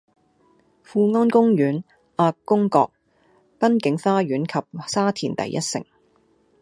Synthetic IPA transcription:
fuː˧ŋɔː˥nkʊ˥ŋjyː˨˥n | ʔaː˧kːʊ˥ŋkɔ̰ː˧k̚ | pɐ˥nkɪ˨˥ŋfaː˥jɥyː˨˥nkʰɐ˨p̚saː˥t̪ʰiː˨˩nt̪ɐ̰˨jʔɐ˥t̚sɪ̰˨˩ŋ

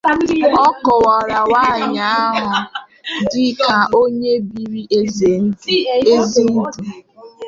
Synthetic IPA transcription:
ɔ˦kɔ˨wɔ˨ɾa˨wa˦˨ɲa˨a˦ɦʊ˨ | dɪ˦ka˨ʔo˦ɲe˦bi˨ɾi˦ʔe˦ze˨n̩˦di˨e˦zi˦n̩˦du˨

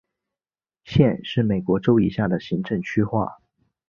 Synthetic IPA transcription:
ɕjɛ˥˧nʂɻ̩˥˩me˨˩ɪkwɔ˧˥ʈ͡ʂo˥ʊḭ˨˩ɕja˥˩d̪ə˩ɕi˧˥ŋʈ͡ʂɤ˥˧ŋt͡ɕʰy˥xwa̰˥˩

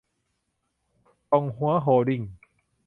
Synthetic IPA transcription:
t̪ɔ˧ŋɦu˧˦ɐ˦ɦoː˧di˧˩ŋ

